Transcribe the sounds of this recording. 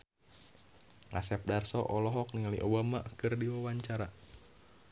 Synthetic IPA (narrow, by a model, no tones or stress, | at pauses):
ŋa̰sɛp̚darsɔʔɔlɔɦɔk̚niŋaliʔobama̰ʔkɨrdiwawaɲt͡ʃaɾa